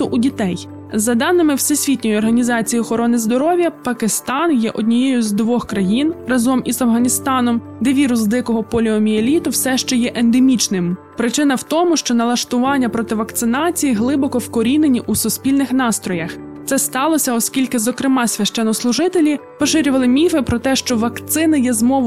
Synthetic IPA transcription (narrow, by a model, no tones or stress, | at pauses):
t̪ʊʔudʲit̪ɛj | zɐd̪ɑnːɪmɪwsɪsʲʋʲitʲnʲɔjʊɔrɦɐnʲizɑt͡sʲijiɔxɔɾɔnɪzd̪ɔɾɔʋʲjɐpɐkɪst̪ɑnjɛʔɔd̪ʲnʲijɛjʊzd̪ʋɔxkɾɐjinrɐzɔmizɐwɦɐnʲist̪ɑnɔm | d̪ɛʋʲiɾʊsd̪ɪkɔɦɔpɔlʲiɔmʲielʲit̪ʊwsɛʃt͡ʃɔjɛʔend̪emʲit͡ʃnɪm | pɾɪt͡ʃɪn̪ɐwt̪ɔmʊʃt͡ʃɔnɐlˠɐʃt̪ʊʋɑnʲːɐpɾɔt̪ɪʋɐkt̪sɪnɑt͡sʲijiɦlˠɪbɔkɔwkɔɾʲine̞nʲiʔusʊspʲilʲnɪxnɑst̪ɾɔjɐxt̪sɛst̪ɑlˠɔsʲɐɔskʲilʲkɪzɔkɾɪmɑsʲʋʲɐʃt͡ʃɛnːɔslˠʊʒɪt̪elʲipɔʃɪɾʲʊʋɐlˠɪmʲifɪpɾɔt̪ɛʃt͡ʃɔʋɐkt̪sɪnɪjɛzmɔʋ